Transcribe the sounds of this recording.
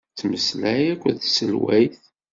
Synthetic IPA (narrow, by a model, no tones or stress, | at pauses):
t͡sːməslæjækʷːəðsəlwæjθ